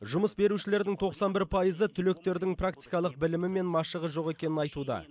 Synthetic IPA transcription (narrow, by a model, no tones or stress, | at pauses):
ʒʊməsbe̞ɾuʃɪle̞ɾd̪ɪŋt̪ʰo̞qsɑnbɪɾpʰɑjəzət̪ʰʏle̞k̚t̪e̞ɾd̪ɪŋprakt̪i̥jkɑlˠəq̚bɪlɪmɪme̞nmɑʃəʁəʒo̞ʁe̞kʲe̞nɪnɑjt̪ud̪ɑ̰